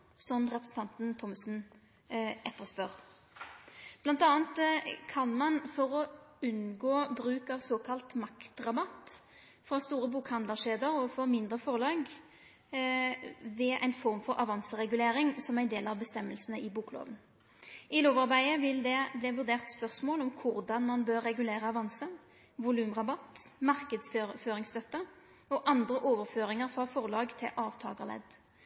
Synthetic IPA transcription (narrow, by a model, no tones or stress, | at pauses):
sɔmʁɛpʁəsən̩t̪ʰɑnt̪n̩t̪ʰɔmsn | ʔɛt̪ːəʁspœʁ | b̥lɑnt̪ɑːnt̪kʰɑnmɑnfɔɾɔʉnɡoːbɾʉːkɑʋsoːkʰɑlt̪mɑkt̪ʁɑbɑt̪ | fʁɑst̪uːɾəbuːkhɑnd̪ləʂeːd̪əʁɔfɔmɪnd̪ʁəfɔʁlɑːɡ | ʋɛʔæ̰ɪnfɔʁmfɔɾʔɑ̰ʋɑnsəʁɛɡʉleːɾɪŋsɔmæɪnd̪eːlɑʋbəst̪ɛmːəlsənəʔɪbuːklo̰ːʋən | ɪloːʋɑʁbæɪəʋɪld̪ɛblɪʋʉʁd̪eːʁt̪spœʁsmoːlɔmkʰʊʁd̪ɑnmɑnbøːɾːɛɡʉleːʁəɑʋɑnsə | ʋʊlʉːmʁɑbɑt̪ | mɑʁkəd̪sføføːɾɪŋst̪œt̪ːə | ɔʔɑnd̪ʁəʔoːʋəʁføːɾɪŋəʁfʁɑfɔʁlɑːɡt̪ʰɪ̰lʔɑːʋt̪ʰɑ̰ːɡəʁlɛ̰d̪